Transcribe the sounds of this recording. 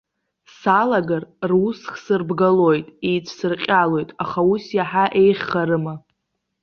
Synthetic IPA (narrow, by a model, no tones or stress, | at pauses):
salaɡarrusχsɨrbɡalojtʼejt͡ʃʷʰsɨrqʲʼalo̞jtʼaχausjaħaʔe̞jχʲχaɾɨma